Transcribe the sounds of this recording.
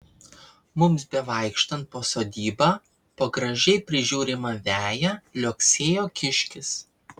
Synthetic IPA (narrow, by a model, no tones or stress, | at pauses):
mʊmsbʲɛʋɐˑɪkʃt̪ɐnt̪̚poːsoːd̪ʲiːbɑ | poɡɾɐʒʲɛɪpʲɾʲɪʒʲuːɾʲɪmɐʋʲæːjælʲoːksʲeːjoːkʲɪʃʲkʲɪs